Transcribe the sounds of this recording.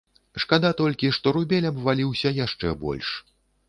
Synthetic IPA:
ʂkad̪at̪ɔlʲkʲiʂt̪ɔɾubʲɛlʲɐbvalʲiwsʲɐjaʂt͡ʂɛbɔ̰lʲʂ

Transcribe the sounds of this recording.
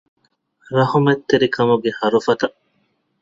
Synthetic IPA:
ɾɐhumet̪ːeɾikɐmuɡehɐɾufɐt̪ɐʔ

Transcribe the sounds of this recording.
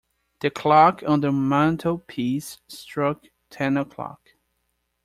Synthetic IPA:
ðɨkʰl̥ɑkʰə̃nðəmãntʰəl̩ˠpʰisːtɹ̥ʌk̚ | tʰɛ̃nəkʰl̥ɑ̰k

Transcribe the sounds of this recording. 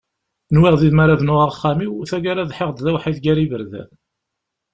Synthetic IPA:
nwiʁðiðmæɾavnʊʁaʁχːamiwθæɡaɾaðħeʁd̪ðæwħiðɡæɾivəɾðæ̰

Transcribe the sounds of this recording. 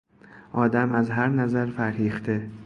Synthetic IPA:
ʔɒːd̪æmæzɦæɾnæzæɾfæɾhiːχt̪e

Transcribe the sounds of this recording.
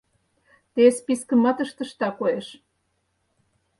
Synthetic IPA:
t̪espiskə̆mɑt̪ə̆ʃt̪ə̆ʃt̪ɑkojeʃ

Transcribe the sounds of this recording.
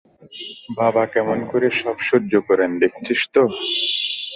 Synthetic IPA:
babakɛmonkoɾeʃɔbʃoɾd͡ʑokɔɾend̪ek̚tʰiʃt̪o

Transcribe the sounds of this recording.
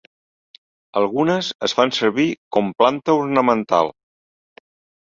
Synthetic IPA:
əlˠɣunəzəzfansəɾβikɔmplant̪əuɾnəmənt̪a̰lˠ

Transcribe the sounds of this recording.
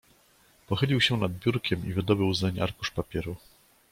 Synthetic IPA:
pɔxɘlʲiwɕɛnad̪̚bʲjuɾkʲɛmivɘd̪ɔbɘwzɛɲa̰ɾkuʂpapʲjɛɾu

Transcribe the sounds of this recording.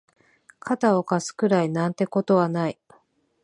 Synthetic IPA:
kʰat̪ao̞kasɨ̥kɯ̟ɾainãnt̪e̞ko̞t̪o̞βanai

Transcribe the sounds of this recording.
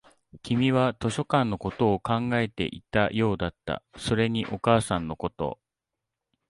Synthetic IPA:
kʲimʲiβat̪o̞ɕo̞kãnːo̞ko̞t̪o̞ːkãŋɡae̞t̪e̞̰ʔit̪ajo̞ːd̪at̪ːa̰so̞ɾe̞ɲ̟iʔo̞kaːsãnːo̞ko̞t̪o̞̰

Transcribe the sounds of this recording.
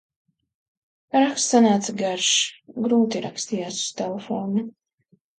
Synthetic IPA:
ɾakst̪sanaːt̪saɡaɾʃɡɾuːt̪iɾakst̪iːjaːsu̥st̪ɛlefoːnu

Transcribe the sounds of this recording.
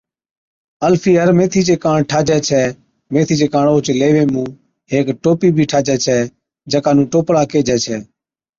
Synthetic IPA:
əlfʰiːɦəɾmẽːt̪ʰiːt͡ʃeːkãːɳʈʰaːd͡ʒɛːt͡ʃʰɛː | mẽːt̪ʰiːt͡ʃeːkãːɳoːt͡ʃleːʋẽːmũː | ɦeːkʈoːpiːbʱiːʈʰaːd͡ʒɛːt͡ʃʰɛː | d͡ʒəkaːnũːʈoːpɽaːkeːd͡ʒɛːt͡ʃʰɛː

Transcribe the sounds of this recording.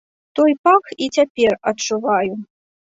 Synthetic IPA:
t̪ɔjpaxit͡sʲapʲɛrɐt͡ʂuvaju

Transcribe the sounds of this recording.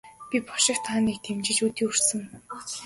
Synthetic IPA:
pʲipɔʃɪ̆kt̪ʰaːniːk̚t̪ʰemt͡ɕɪ̆t͡ɕut̪ʲiːur̥sɘ̆ŋ

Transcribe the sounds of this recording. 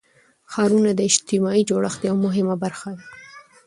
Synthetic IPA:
xɑɾunad̪əɪd͡ʒt̪ɪmɑid͡ʒoɽəxd̪jawmʊɦɪmabaɾxad̪a

